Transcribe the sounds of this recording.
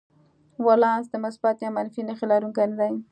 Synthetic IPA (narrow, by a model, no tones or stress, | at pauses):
walɑsd̪əmʊsbat̪jamanfinəxilɑɾuŋkajnd̪aj